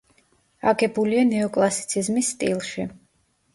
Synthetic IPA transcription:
aɡɛbulianɛɔkʼlˠasi̥t̪sʰizmisːt̪ʼilˠʃi

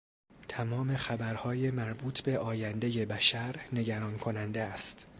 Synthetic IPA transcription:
t̪ʰæmɒːme̞xæbæɾhɒːjemæɾbuːt̪ʰbe̞ʔɒːjænd̪e̞je̞bæʃæɾne̞ɟæɾɒːnkʰo̞nænd̪eæst̪

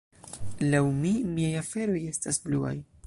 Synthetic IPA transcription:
lawmimiajafe̞ɾo̞je̞stasblua̰j

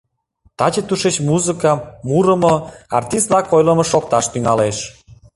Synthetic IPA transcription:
t̪ɑt͡ɕet̪uʃet͡ɕmuzɨkɑmuɾəmoɑ̰rt̪ist̪lɑkojləmə̆ʃok̚t̪ɑʃt̪yŋɑleʃ

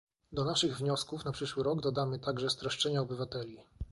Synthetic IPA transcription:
d̪ɔnaʂɘɣvɲɔskufnapʂɘʂwɘɾɔɡd̪ɔd̪amɘt̪aɡʐɛst̪ɾɔʂt͡ʂɛɲaɔbɘvat̪ɛlʲi

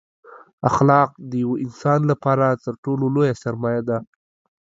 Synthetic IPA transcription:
axlɑq̚d̪əjawoʔɪnsɑnlapɑɾat̪əɾʈololojasaɾmɑjad̪a

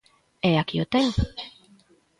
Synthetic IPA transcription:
eakiot̪en

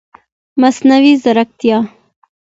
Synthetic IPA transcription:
masnawizaɾak̚t̪ijɑ

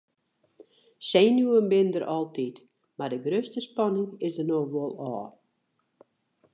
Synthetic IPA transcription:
seːnjuənbɪndəɾʔɔlˠtʰit | mardəɡrøːstəspɑnɪŋɪsdərnoxʋolˠɔː

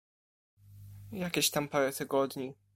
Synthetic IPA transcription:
jakʲeɕt̪ampaɾɛt̪ɘɡɔd̪ɲi

